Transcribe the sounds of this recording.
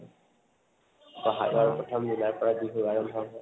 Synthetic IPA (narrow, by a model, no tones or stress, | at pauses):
baɦa̰ʔaɹupɹɔtʰɔmzunaɹpɔɹabiɦojaɹɔmbʱɔ